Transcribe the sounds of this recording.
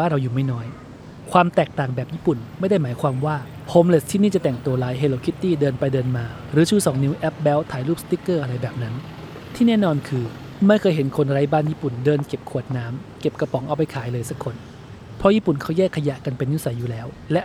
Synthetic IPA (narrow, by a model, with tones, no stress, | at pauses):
aː˥˩ɾa˧wjuː˨˩ma˥˩jnɔː˦˥j | kʰwaː˧mt̪ɛː˨˩k̚t̪aː˨˩ŋbɛː˨˩p̚jiː˥˩pu˨˩nma˥˩jda˥˩jmaː˩˦jkʰwaː˧mwaː˥˩ | hoː˦˥mle˨˩st̪ʰiː˥˩niː˥˩t͡ɕa˨˩t̪ɛ˨˩ŋt̪o˧laː˨˦jɦe˧loː˧kʰi˦˥t̪ːiː˥˩dɤː˧npa˧jdɤː˧nmaː˧ | ɾɯː˩˦t͡ɕʰuː˥˩sɔː˩˦ŋni˦˥wʔɛ˦˥p̚bɛː˦˥wt̪ʰaː˩˦jluː˥˩p̚st̪i˦˥kːɤː˥˩ʔa˧ɾa˧jbɛː˨˩p̚na˦˥n | t̪ʰiː˥˩nɛː˥˩nɔː˧nkʰɯː˧ | ma˥˩jkʰɤː˧jɦe˩˦nkʰo˧nɾa˦˥jbaː˥˩njiː˥˩pu˨˩ndɤː˧nke˨˩p̚kʰu˨˩ət̪̚naː˦˥mke˨˩p̚ka˧pɔ˩˦ŋʔa˧wpa˧jkʰaː˩˦jlɤː˧jsa˦˥kʰːo˧n | pʰɔ˦˥jiː˥˩pu˨˩nkʰa˦˥˩wjɛː˥˩kʰːa˧ja˨˩ʔka˧npe˧nːi˦˥sa˩˦jːuː˨˩lɛː˦˥w | lɛ˦˥ʔ